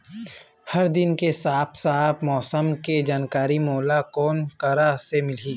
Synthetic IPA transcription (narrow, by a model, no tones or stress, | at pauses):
hɐɾd̪ɪnkesaːpʰsaːbmɔːsəmked͡ʒaːnkaːɾimɔːlakɔːnkəɾasemɪliː